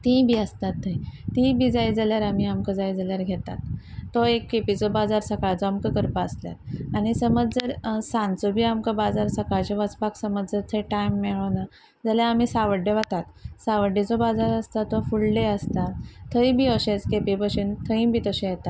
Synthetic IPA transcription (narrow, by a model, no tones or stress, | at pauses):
t̪ĩbʱiəst̪at̪ʰːəjt̪ĩbʱiːd͡zajd͡zaljaɾam̤iamkəd͡zajd͡zaljaɾɡʱet̪a̰t̪ː | ɔekːepit͡sɔbad͡zaɾsəkaɭd͡zɔamkəkəɾpaəslja̰t̪añisəməd͡zd͡zəɾsãnt͡sobʱiːamkəbad͡zaɾsəkaɭt͡ɕeʋət͡spaksəməd͡zd͡zəɾt̪ʰeʈajmːeɭəna | d͡zaljaːm̤isaʋəɖeʋat̪at̪saʋəɖet͡sɔbad͡zaɾəst̪at̪ːɔfulɖeəst̪at̪ʰːəjbʱiɔɕẽt͡skepibəɕint̪ʰəĩbit̪əɕẽjet̪at̪